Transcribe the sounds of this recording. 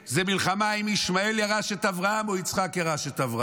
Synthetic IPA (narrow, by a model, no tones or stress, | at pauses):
zemilχamaimiʃmae̞ljaʁaʃet̪avʁaamoit͡sχakjaʁaʃet̪avʁa